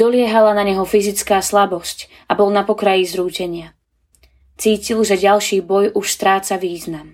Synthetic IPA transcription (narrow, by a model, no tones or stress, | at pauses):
d̥̪ɔlɪɛɦalanaɲɛɦɔfizit͡skaːslabɔsc | ʔabɔlnapɔkɾajizɾuːcɛɲɪa | t͡siːcilʒɛɟalʃiːbɔjʔuʃst̪ɾaːt͡saʋiːznam